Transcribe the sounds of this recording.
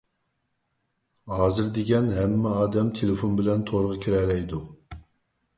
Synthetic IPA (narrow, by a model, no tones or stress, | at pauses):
hɑːzɨɾd̪eɡʲɛnɦɛmːɛɑːd̪ɛmt̪ʰelɪfonbɪlɛnt̪ʰoɾʁɑkʲʰiɾɛlɛjd̪u